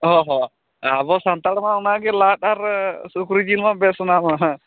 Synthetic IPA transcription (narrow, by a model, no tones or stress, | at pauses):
ɦɔɦɔ | abɔsant̪aɽmãʊnaɡɛlat̪aɾsukɾid͡ʒilmãbɛsɔnamaɦã